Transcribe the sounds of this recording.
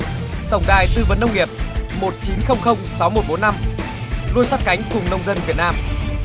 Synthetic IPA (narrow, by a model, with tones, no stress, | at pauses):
t̪ə˨˩wŋ͡mɗaː˨˩jt̪ɨ˧˩və˨˩nːə˧wŋ͡mŋi˨˩əp̚mo˨˩t̚t͡ɕi˨˦nxə˧wŋ͡mxə˧wŋ͡msa˨˦wmo˨˩t̚ɓo˨˦nːa˧m | lu˧ənsaː˦˥t̚ka˨˦jŋ̟kʊ˨˩ŋ͡mnə˧wŋ͡mzə˧nvi˨˩ət̚naː˧m